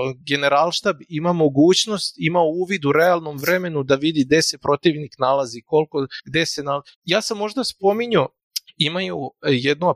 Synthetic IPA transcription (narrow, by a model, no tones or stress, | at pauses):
ɡe̞neɾalˠʃt̪abimamo̞ɡuːt͡ɕno̞st̪imauːʋid̪uɾe̞alˠno̞mʋɾe̞me̞nud̪aʋid̪iɡ̚d̪e̞se̞pɾo̞t̪iʋniknalˠaziko̞lko̞ɡd̪e̞se̞naljaːsamːo̞ʒd̪aspo̞miɲo | imajujed̪no